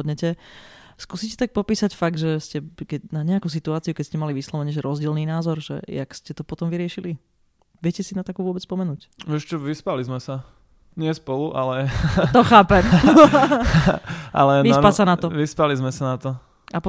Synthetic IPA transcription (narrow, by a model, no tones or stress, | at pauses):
d̪ɲɛcɛ | skuːsiːcɛt̪ak̚pɔpiːsacfaɡ̚d̪ʒɛscɛkɛnaɲɛakuːsit̪uaːt͡siukɛcscɛmaliʋislɔʋɛɲɛʒɛɾɔzɟɛːlniːnaːzɔɾʒɛ̰ja̰kscɛt̪ɔpɔt̪ɔmʋiɾɪɛʃili | ʋɪɛcɛsinat̪akuːʋʊɔbɛt͡sspɔmɛnuːc | ʋɛʃt͡ʃɔʋispalizmɛsa | ɲɪɛspɔluʔalɛt̪ɔxaːpɛm | ʔa̰lɛʋispasanat̪ɔʋispalizmɛsanat̪ɔ | ap